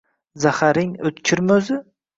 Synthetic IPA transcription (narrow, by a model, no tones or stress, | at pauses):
zahaɾɪŋɵt̪t͡ʃʲʰɪɾmɵzɪ